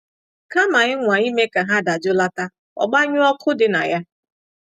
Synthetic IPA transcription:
ka˦ma˨ɪ˦ŋʷa˨i˦me˦ka˨ɦa˦da˨d͡ʒʊ˦la˦ta˦ | ɔ̰˨ɡ͡ba˦ɲʊ˦ɔ˦kʰʊ˦dɪ˨na̰˨ja˦

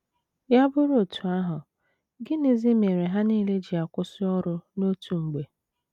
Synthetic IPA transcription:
ja˦bʊ˦ɾo˨tu˨a˦ɦʊ˨ | ɡɪ˦ni˦zi˦me˨ɾe˨ɦa˦ni˦le˦d͡ʒi˨a˨kʷʊ˦sʊ˦ɔ˦ɾʊ˦no˦tʰu˨ŋ͡m̩˨ɡ͡be˨

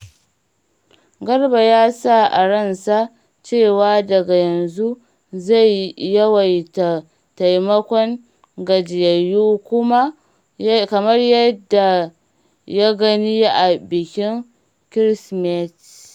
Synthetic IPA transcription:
ɡɐ˦rba˨jaː˦sa˦ʔa̰˨ɽɐ˦˨nsa˦ | t͡ʃeː˦˨waː˦dɐ˨ɡa˨jɐ˨nzu˦ | za˦˨jːɐ˦wa˨jt | ta˨jmɐ˦kʷɔ˦ŋ | ɡɐ˨d͡ʒɪ˨jɐ˨juː˦kʷʊ˦ma˦ | kɐ˨mɐ˦rjɐ˦dːa˨ | ja˦ɡɐ˦ni˦ja˦ʔa˨bɪ˨kʲɪ˦ŋ | kɾɪ˦smɛ˦t

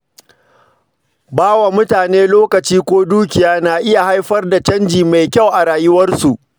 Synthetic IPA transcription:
baː˦wa˨mʊ˦taː˨neː˦loː˦kɐ˨t͡ʃiː˦kʷoː˦duː˦kʲɪ˨jaː˦naː˨ʔɪ˦ja˨ha˦jɸɐ˦rda˨t͡ʃɐ˦nd͡ʒiː˨ma˨jkʲa˦˨wʔa˨ɾaː˨jɪ˦wɐ˦rsu˨ʔ

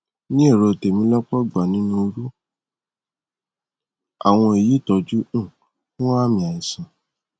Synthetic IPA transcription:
nĩ˦e˦˨ɾo˧˨te˨mĩ˧˦lɔ˦k͡pɔ˦ɡ͡ba˨nĩ˨˦nũ˦o˧ɾu˦ | a̰˨w̃ɔ̃˧e˨ji˨˦˨tɔ˧d͡ʒũ˦˨ | fũ˦a˦˨mĩ˧a˨i˨sĩ˨

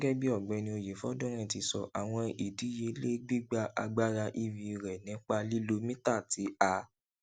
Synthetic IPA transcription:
ɛ˦ɡɛ˦bi˦ɔ˦˨ɡ͡bɛ˨˦nĩ˧˦o˧˨je˨˦fɔ˦dɔ̃˦ɾ̃ɛ̃˦˨ti˨˧˦sɔ̰˧˨ʔa˨w̃ɔ̃˧i˨di˨˦je˧le˦ɡ͡bi˦ɡ͡ba˧ʔa̰˧ɡ͡ba˦ɾa˧ʔi˧vi˧ɾɛ˨nĩ˨˦k͡pa˧li˦lo˧mĩ˦ta˦˨ti˨˦a˧

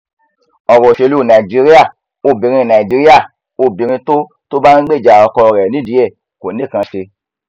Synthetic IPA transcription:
ɔ˨ɾɔ˨ʃe˧lu˦˨nã˨i˨d͡ʒi˦ɾi˦a˦˨ | o˧˨bĩ˨ɾ̃ĩ˧˨nã˨i˨d͡ʒi˨˧ɾi˦a˦˨ | o˧˨bĩ˨˧ɾ̃ĩ˧to˦ | to˦ba˦nĩ˦ɡ͡be˦˨d͡ʒa˨ɔ˧˦kɔ˧˨ɾɛ˨nĩ˦di˨˦e˦˨ko˨nĩ˦˨kã˧ʃe˧

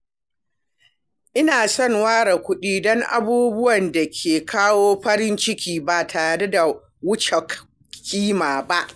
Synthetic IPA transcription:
ʔɪ˦naː˨sɔ˦˨ŋwaː˦ɽa˨kʷʊ˦ɗiː˦dɔ˦ŋʔa̰˨buː˦bʊ˦wɐ˨nda˨kʲʰeː˨kʰaː˦woː˦ɸɐ˦ɾɪ˦nt͡ʃɪ˦kʲiː˦baː˨tʰa˨ɾa˨da˦da˨ | wʊ˦t͡ʃe˨k | kʰʲːiː˦maː˨ba˦ʔ

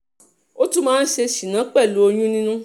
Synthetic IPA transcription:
o˦tu˦mãː˦n̩˦ʃe˧ʃi˨nã˨˦k͡pɛ˦˨lu˨˦o˧j̃ũ˦nĩ˦nũ˦

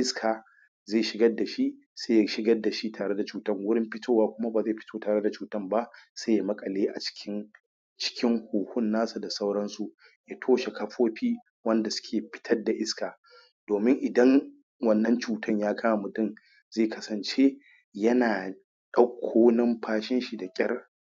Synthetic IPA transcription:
ʔɪ˦skʰaː˨ | zeː˦˨ʃɪ˦ɡɐ˦dːa˨ʃi˦ | se˦ja˨ʃɪ˦ɡɐ˦dːa˨ʃi˦taː˨ɽe˦da˨t͡ʃuː˨tɐ˦˨ŋwʊ˦ɽɪ˦mɸɪ˦tʰoː˦waː˦kʷʊ˦ma˦baː˨zeː˦˨ɸɪ˦tʰoː˦taː˨ɽe˦da˨t͡ʃuː˨tɐ˦mba˦se˦ja˨mɐ˦kʼɐ˨leː˦ʔa̰˨t͡ʃɪ̥˦kʲʰɪ˦n | t͡ʃɪ̥˦kʲɪ˦ŋhuː˨hʊ˦nːaː˦su˨da˨sɐ˦wɽɐ˦nsu˨ | jaː˦tʰoː˦ʃe˨kɐ˦ɸoː˦ɸiː˦ | wɐ˦nda˨sʊ̥˦kʲʰeː˨ɸɪ̥˦tʰɐ˦rda˨ʔɪ˦skaː˨ | d̥oː˨mɪ˦ŋʔɪ˨dɐ˦ŋ | wɐ˦˨nːɐ˦nt͡ʃuː˨tʰɐ˦ɲjaː˦kʰaː˦ma˨mʊ˨tɪ˦n | zeː˦˨kʰɐ˦sɐ˨nt͡ʃe˦ | jɐ˦naː˨ | ɗɐ˦kʷʰːoː˦nɐ˦mɸʰaː˦ʃɪ˦nʃi˨da˨kʲʼɐ˦r

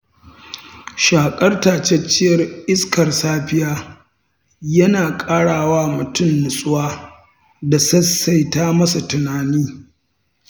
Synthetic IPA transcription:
ʃaː˨kʼɐ˦rtaː˨t͡ʃɛ˦t͡ʃːɪ˦jɐ˨rʔɪ˦skɐ˨rsaː˦ɸɪ˦jaː˦ | jɐ˦naː˨kʼaː˦ɽaː˨waː˦mʊ˨tʊ˦mːʊ˨sʼʊ˦waː˦ | da˨sɐ˦sa˨jtaː˦mɐ˦sa˨tʊ˨naː˨niː˦

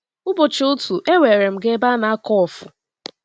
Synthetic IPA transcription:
ʊ˦bo˨t͡ʃo˨˦ʊ˦tu˨ʔe˦we˨ɾe˨m̩˨ɡe˦ba˦na˨a˦kɔ˦ɔ˨fʊ̰˨

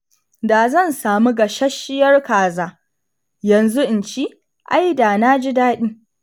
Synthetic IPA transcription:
daː˨zɐ˦˨nsaː˨mu˦ɡɐ˨ʃɐ˦ʃɪ˦jɐ˦rkaː˨zaː˦ | jɐ˨nzu˦ʔɪ˨nt͡ʃiː˦ | ʔa˦jdaː˨na˦d͡ʒi˦daː˦ɗiː˦

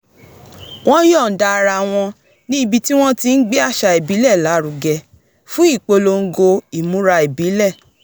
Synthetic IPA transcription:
w̃ɔ̃˦jɔ˦˨n̩˨da˧ɾa˧w̃ɔ̃˧ | nĩ˦i˨bi˧ti˦w̃ɔ̃˦ti˧n̩˦ɡ͡bɛ˦a˦˨ʃa˨˧e˨bi˨˦lɛ˦˨la˨˦ɾu˨˧ɡɛ˧ | fũ˦i˦˨k͡po˧lo˧ŋ̩˦ɡo˧i˨mũ˨˦ɾa˧e˨bi˨˦lɛ˦˨

